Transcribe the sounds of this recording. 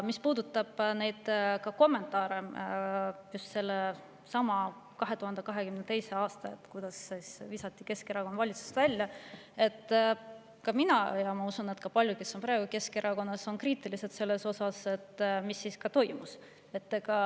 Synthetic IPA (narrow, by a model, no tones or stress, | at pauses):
mispuːd̪̥ut̪ːˑɑb̥ne̞jd̪̥kɑko̞mːe̞nt̪ˑɑːɾe | just̪se̞lːe | sɑmɑ | kɑɦe̞t̪uhɑnd̪e̞kɑɦe̞kymnet̪e̞jse̞ɑːst̪ɑet̪ːˑkujd̪̥ɑssvisɑt̪ˑːike̞ske̞ɾɑko̞nvɑlʲit̪su̥st̪vælʲjɑe̞t̪ː | kɑminɑjɑmɑusune̞t̪kɑpɑlʲjuke̞sːo̞npɾɑeɡuke̞ske̞ɾɑko̞nːɑso̞nkriːt̪ˑilise̞t̪se̞lːe̞so̞sɑse̞t̪ːmisːiskɑt̪o̞jmus | e̞t̪ːˑkɑ